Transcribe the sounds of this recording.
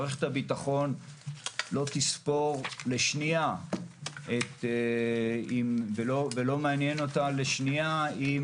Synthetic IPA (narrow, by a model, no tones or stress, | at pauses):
ʁeχethabitaχo̞n | lo̞t̪ispo̞ʁle̞ʃnia | ʔet̪ | imvelovelo̞meanjeno̞tale̞ʃniaim